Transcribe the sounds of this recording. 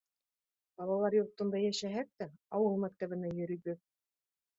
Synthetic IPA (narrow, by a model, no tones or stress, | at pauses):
b̥ɑlˠɑlˠɑɾjŏɾt̪ɤ̆nd̪ɑjæʃæɦæk̚t̪æɑwɤlˠmæk̚t̪æβɘ̆næjɵ̆ɾĭjɡɘk̚